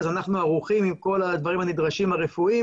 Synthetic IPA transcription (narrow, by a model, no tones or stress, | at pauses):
zanaχnuaʁuχimimko̞lad̪vaʁimanid̪ʁaʃimhaʁefui